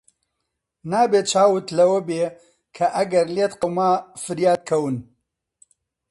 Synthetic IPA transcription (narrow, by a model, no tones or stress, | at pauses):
naːbeːt͡ʃʰaːwɨt̪lɐwɐbeː | kʰɐʔɐɡɐɾleːt̪qɐwmaːfɨɾjaːd̪̚kʰɐwɨn